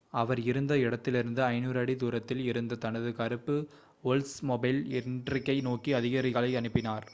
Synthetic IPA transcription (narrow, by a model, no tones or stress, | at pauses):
ɐʋɐɾɪɾɯnd̪ɐɪɽɐt̪ːɪlɪɾɯnd̪ɯɐɪnuːɾɐɽid̪uːɾɐt̪ːɪlɪɾɯnd̪ɐt̪ɐnɐðɯkɐɾɯpːɯ | ɔlsmɔbɐɪlɛnɖrɪkːɐɪnoːkːiɐðɪɣɐɾɪɣɐɭɐɪɐɳɯpːɪnaːɾ